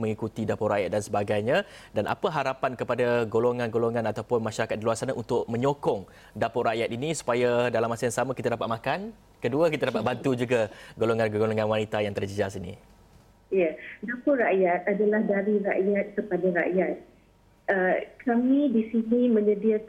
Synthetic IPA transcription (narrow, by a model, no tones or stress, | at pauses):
mə̃ŋikut̪idapʊraʔja̰t̪̚dansəbaɡajɲã | danʔa̰pəɦaɾapankəpadaɡoloŋãnɡoloŋãnat̪awpʊnmaʃaɾakat̪̚diluarsanaʔunt̪ʊʔ̚mə̃ɲokɔŋ | dapʊʔraʔjat̪inisu̥pajadalamːasajaŋsamakit̪adapat̪̚makan | kəduəkit̪adapat̪̚bant̪ud͡ʒuɡaɡoloŋanɡoloŋãnwanit̪ajaŋt̪ərd͡ʒəd͡ʒasinḭ | jadapʊɾaʔjat̪̚adalahdaɾiɾaʔjat̪̚kəpadaɾa̰ʔjat̪̚ | əkʰamĩdisinĩmə̃ɲədiək